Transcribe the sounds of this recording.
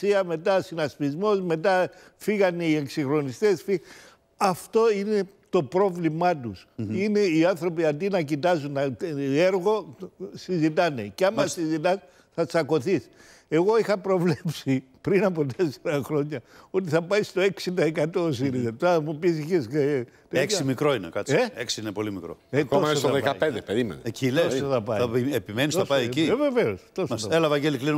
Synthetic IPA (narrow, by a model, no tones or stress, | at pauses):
iɐme̞t̪ɐsinɐspizmo̞zme̞t̪ɐ | fiɣɐnieksixɾo̞nist̪e̞sfi | ɐft̪o̞ine̞ | t̪o̞pɾo̞vlimɐt̪usine̞iɐnθɾo̞piɐnd̪inɐcit̪ɐzuneɾɣo̞sizit̪̬ɐne̞̰ceɐmɐsizit̪ɐs | θɐt͡sɐko̞θis | e̞ɣo̞ixɐpɾo̞vlepsi | pɾinɐp̬o̞t̪e̞seɾɐxɾo̞ɲɐo̞t̪̬iθɐpɐjst̪o̞e̞ksind̪ɐekɐt̪oos̬iɾizɐt̪opupis̬içese | t̪eeksimikɾo̞inḛkɐt͡seeksiinepo̞limikɾo̰ek̪omɐssɐðekɐipend̪epeɾimḛneecileosoθɐpɐɐiepimenisθɐpɐjecieveve̞o̞st̪o̞ssɐelɐvɐɟeliklinu